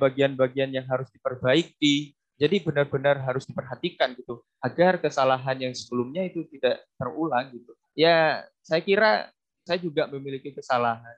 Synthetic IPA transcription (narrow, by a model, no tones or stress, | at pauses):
baɡianbaɡianjaŋɦaɾʊsdipərbaik̚i | d͡ʒadibənarbənarɦaɾʊsdipərɦat̪ikanɡit̪u | ʔaɡarkəsalaɦanjaŋsəbəlʊmɲait̪ut̪idaʔt̪ərulaŋɡit̪u | ja | sajakiɾa | sajad͡ʒuɡaməmilikikəsalaɦan